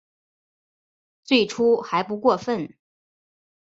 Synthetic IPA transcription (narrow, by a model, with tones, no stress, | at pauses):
t͡swe˥˩ɪʈ͡ʂʰu˥xa˧˥ɪp̬u˧˥kwɔ˥˧fə˥˩n